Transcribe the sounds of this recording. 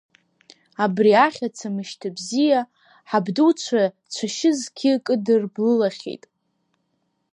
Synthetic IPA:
abriaχʲat͡sʰamɨʃtʰabzija | ħabdut͡ʃʷʰa | t͡ʃʷʰaʃɪzkʲʰɪkʼɨdɨrblɨlaχʲḛjtʼ

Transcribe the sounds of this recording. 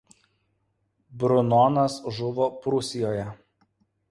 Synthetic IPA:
bɾʊnɔnɐsʒʊʋoːpɾʊsʲɪjoːjɛ

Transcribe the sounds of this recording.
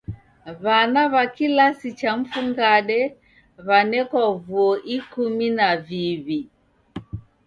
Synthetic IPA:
βanaβakilasit͡ʃam̩fuŋɡaɗɛ | βanɛkavuɔʔikuminaviβi

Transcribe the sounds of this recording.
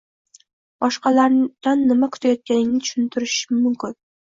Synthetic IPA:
b̥ɒʃqɑlaɾd̪̥anːɪmakʰʊ̥t̪ʰajɒt̪̚kʲʰanɪŋnɪt̪ʰʊ̥ʃɪnt̪ʰɪɾɪʃmʊmkʲɪn

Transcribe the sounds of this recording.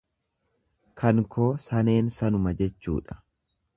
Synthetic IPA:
kʰɐŋkʰo̞ːsɐne̞ːnsɐnʊmɐd͡ʒɛt͡ʃːṵːᶑɐ̥

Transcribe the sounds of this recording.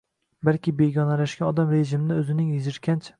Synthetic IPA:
balkʲɪbe̞ɡʲɒnalaʃɡʲaɒd̪amɾe̞ʒɪmɪnɪɵzɪnɪŋjɪzɪɾkʲʰant͡ʃʰḁ

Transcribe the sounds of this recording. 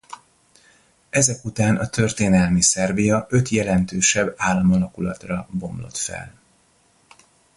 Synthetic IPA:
ɛzɛkut̪aːnʔɒt̪ø̞rt̪eːnɛlmisɛrbijɒʔøt̪jɛlɛnt̪øːʃɛbːaːlːɒmɒlɒkulɒt̪rɒbo̞mlo̞̰t̪fɛ̰l

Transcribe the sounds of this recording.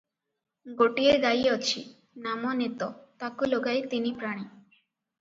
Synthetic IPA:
ɡoʈieɾɡajeɔt͡ɕʰi | namonet̪op̪akuloɡajt̪inipɾaɽ̃i

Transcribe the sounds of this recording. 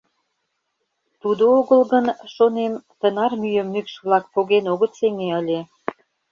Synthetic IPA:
t̪ud̪ooɣəlɣənʃonemt̪ənɑrmyjəmːykʃβlɑk̚poɣenoɣət̪seŋeəlʲe

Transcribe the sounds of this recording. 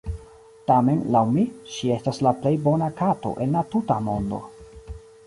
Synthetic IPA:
tame̞nlawmiʃie̞staslaple̞jbo̞nakato̞̰ʔe̞nlatutamo̞ndo̞̰

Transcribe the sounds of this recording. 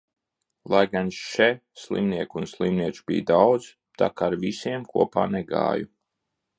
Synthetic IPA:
lˠajɡanʃɛslˠḭmniɛkunslˠimniɛt͡ʃu̥bḭːjd̪awd̪z̥ | t̪a̰kaɾvisiɛmkṵɔpa̰ːnɛɡa̰ːju

